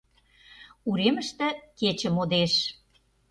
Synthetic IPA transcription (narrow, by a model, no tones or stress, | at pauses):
uɾemə̆ʃt̪ĕket͡ɕə̆mod̪eʃ